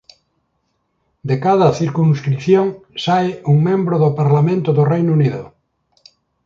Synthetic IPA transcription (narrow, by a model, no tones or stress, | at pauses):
d̪ekaðɐθiɾkunskɾiθjoŋsaɪuŋmẽmbɾoðopaɾlamẽnt̪ʊðʊrejnuniðʊ̰